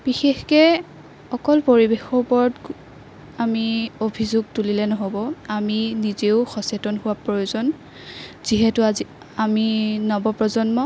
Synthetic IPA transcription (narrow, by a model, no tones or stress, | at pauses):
b̥ixexkɛ | ɔkɔlpoɹibexɔpɔɹɔt | amiobʱizuɡ̚tulilɛnɔɦobɔaminizeʊxɔsetɔnɦʊwapɹojozɔn | z̥iɦɛtʊazi | aminɔbɔpɹɔzɔnmɔ